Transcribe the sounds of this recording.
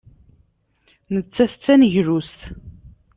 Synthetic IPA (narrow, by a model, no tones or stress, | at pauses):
nət͡sːæθt͡sːænəʝɾust̪